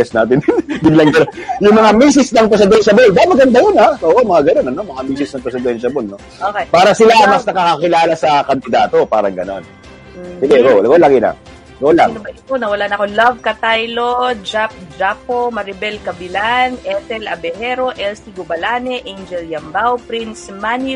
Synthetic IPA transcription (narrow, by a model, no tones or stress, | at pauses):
ɛsnaːt̪ɪnbɪɡlɐŋd̪ɐnojʊŋmɐŋamiːs̬ɪsnɐŋpɾɛs̬ɪd̪ɛnʃɐbolbamɐɡɐnd̪ɐjʊnaoːʔomɐŋaɡɐno̞nɐno̞mɐŋamiːsɪsnɐŋpɾɛsɪd̪ɛnʃɐbolno̞ | oːkejpaːɾɐsɪlamɐsnɐkakakɪlaːlasɐkɐnd̪ɪd̪aːt̪o̞paːɾɐŋɡɐno̞n | sɪɡɛɡolɐɡolaɡɪnɐ̰ŋ | ɡola̰nbɐiponɐwɐlaːnɐkolɐvkɐt̪ajlod͡ʒap̚d͡ʒapomɐɾɪbɛlkɐbɪlanʔɛt̪ɛlɐ̰bɛhɛɾo̞ʔɛlsiɡobɐlanɛʔend͡ʒɛljɐmbawpɾinsmani